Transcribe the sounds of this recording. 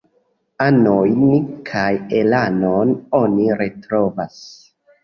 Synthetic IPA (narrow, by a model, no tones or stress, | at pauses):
anojnkʰajelanono̞niɾetɾo̞vas